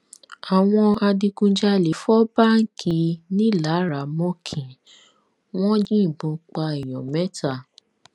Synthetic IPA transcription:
a˨w̃ɔ̃˧a˧di˧kũ˧˦d͡ʒa˦le˨˦fɔ˦ba˦˨ŋ̩˦kʰi˧˦nĩ˦la˨˦ɾa˨mɔ̃˦kʰĩ˨ | w̃ɔ̃˦d͡ʒĩ˦˨bũ˧k͡pa˧i˨j̃ɔ̰̃˨mɛ˦ta˦˨

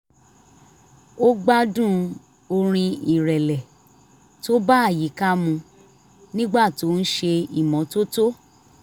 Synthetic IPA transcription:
o˦ɡ͡ba˦dũ˦ | o˧ɾ̃ĩ˧i˨ɾɛ˨lɛ˨ | to˦ba˦a˦˨ji˨˦ka˦mũ˧ | nĩ˦ɡ͡ba˦˨to˨˦n̩˦ʃe˧i˨mɔ̃˨˦to˦to˦

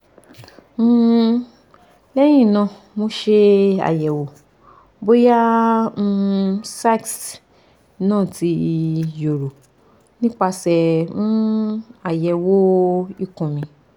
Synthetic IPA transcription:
lɛ˦j̃ĩ˦˨nã˧˨ | mo˧˦ʃe˧a̰˨jɛ˨wo˨ | bo˦jã˦˧ | sa˦˨ks | nãː˦˨ti˧jo˨ɾo˨ | nĩ˦k͡pa˧sɛ˨ũ˦a˨jɛ˨wo˦i˦˨kũ˨mĩ˧

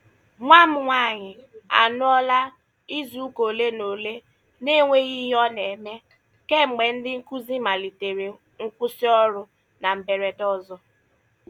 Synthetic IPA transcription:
ŋʷa˦mʊ˨ŋʷa˦˨ɲɪ˨a̰˨nʊ˦ɔ˦la˦ | i˦zu˨u˦ko˨le˦no˨le˦ | ne˦ŋʷe˦ɣi˦ɦɔ˦ne˨me˦ | ke˦˨me˨n̩˦dɪ˦ŋ̩˦ku˦zi˦ma˨li˨te˨ɾe˨ | ŋ̩˦kʷʊ˦si˦ɔ˦ɾʊ˦ | na˨m̩˨be˨ɾe˨dɔ˦zɔ˦

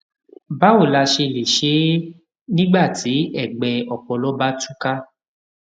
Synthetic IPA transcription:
ba˦o˦˨la˧ʃe˧le˨ʃe˨˦ | nĩ˦ɡ͡ba˦˨ti˨˦ɛ˦˨ɡ͡bɛ˧ɔ˨k͡pɔ˨lɔ˨˦ba˦tũ˦ka˦

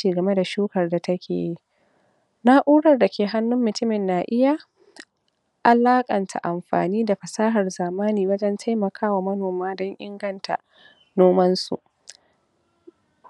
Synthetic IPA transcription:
iː˨ɡɐ˨me˦da˨ʃuː˦kɐ˨rda˨tɐ˦kʰʲḛː˨ji˦ | na˦ʔuː˦ɽɐ˨rda˨kʲeː˨ɦa˦nːʊ˦mːʊ˨tʊ˦mɪ˨nːaː˨ʔɪ˦ja˨ | ʔa˨laː˦kʼɐ˨ntʰa̰˨ʔa˨mɸa̰ː˨niː˦da˨ɸɐ˨saː˦ɦɐ˨rzaː˨maː˦niː˨wɐ˦d͡ʒɐ˦ntʰa˦jmɐ˨kʰaː˦wa˨mɐ˦noː˨maː˦dɔ˦ŋʔɪ̰˦ŋɡɐ˦ntʰa̰˨ | noː˦mɐ˦nsṵ˨ʔ

